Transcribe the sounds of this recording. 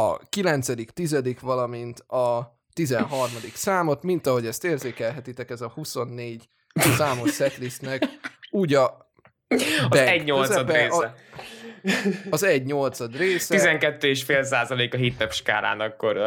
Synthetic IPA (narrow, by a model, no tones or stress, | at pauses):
ɒ̰kilɛnt̪sɛd̪ikt̪izɛd̪ikʋɒlɒmint̪ɒ | t̪izɛnɦɒrmɒd̪iksaːmo̞t̪mint̪ɒɦo̞ɟɛst̪eːrzeːkɛlɦɛt̪it̪ɛkɛzɒhuso̞nːeːɟ | saːmo̞ʃsɛt̪list̪nɛkuːɟɒ | bɛɛɟɲolzsɛɒdɛːɛ | ɒzɛɟɲo̞lt̪sɒd̪reːsɛizɛŋkɛt̪ːøeːʃfeːls̬aːzɒleːkɒɦit̪ːɛpʃka̰ːɾa̰ːnɒkːoɾ